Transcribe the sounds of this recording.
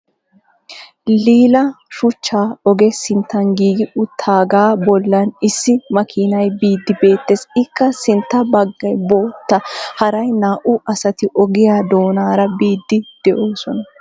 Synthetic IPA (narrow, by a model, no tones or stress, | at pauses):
liːlɐʃʊt͡ʃːaːɔɡɛsɪnt̪ːɐnɡiːɡɪʔʊt̪ʰaːɡaːbɔlːɐnɪsːɪmɐkʰiːnɐjbiːd̪ːɪbe̞ːt̪ːeːsɪkːɐsɪnt̪ːɐbɐɡːɐjbo̞ːt̪ːɐhɐɾɐjnaːʔʊʔɐsɐt̪ɪʔɔɡɪjaːd̪o̞ːnaːɾɐbiːd̪ːɪd̪̥ɛʔoːsɔnɐ